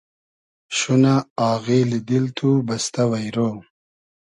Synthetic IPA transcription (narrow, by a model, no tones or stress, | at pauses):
ʃunaaːɣeːlid̪ilt̪ʰubɐst̪awɐjɾoː